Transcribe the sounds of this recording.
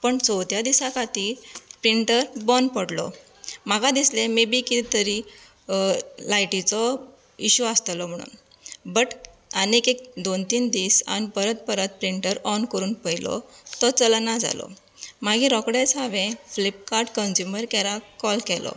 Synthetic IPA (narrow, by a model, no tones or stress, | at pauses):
pəɳt͡sɔt̪jad̪isakʰat̪ipɾiɳʈəɾbɔnpəɽlɔ̰ | maɡad̪islemibikiit̪əɾi | lajʈit͡sɔ | iɕuast̪lɔm̤əɽ̃ṵːn | bəʈ | anekek̚d̪ont̪iːnd̪iːsa̰nipəɾət̪̚pəɾət̪̚pɾiɳʈəɾɔnkəɾuːnpəjlɔ̰t̪ɔt͡səlnad͡za̰lɔ̰ | maɡĩɾɔkɽet͡saʋẽflip̚kaɾʈkənsjuməɾkɛɾakɔlkɛlɔ̰